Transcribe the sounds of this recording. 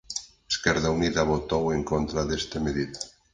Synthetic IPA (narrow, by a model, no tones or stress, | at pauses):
eskɛɾðauniðaβot̪oweŋkont̪ɾaðest̪emeðit̪